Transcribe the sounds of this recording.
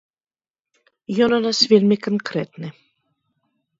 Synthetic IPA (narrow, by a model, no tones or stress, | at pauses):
jɔnɔnasvʲelʲmʲɪkɐnkɾɛt̪nɨ